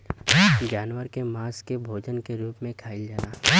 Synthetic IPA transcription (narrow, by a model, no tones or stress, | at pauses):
d͡ʒaːnwəɾkemaːskebʱoːd͡ʒənkeɾuːpmẽkʰaːild͡ʒaːnaː